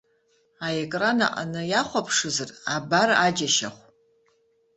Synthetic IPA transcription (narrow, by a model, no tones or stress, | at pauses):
aekʼrana̰ʔʼa̰nɨjaχʷapʰʂɨzɨrabaɾaad͡ʒaʃa̰χʷ